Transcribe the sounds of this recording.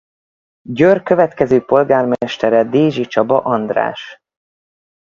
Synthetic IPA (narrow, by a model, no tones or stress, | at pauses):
ɟørkø̞vɛt̪kɛzøːpo̞lɡaːrmɛʃt̪ɛɾɛd̪eːʒit͡ʃɒbɒ̰ʔɒnd̪ra̰ːʃ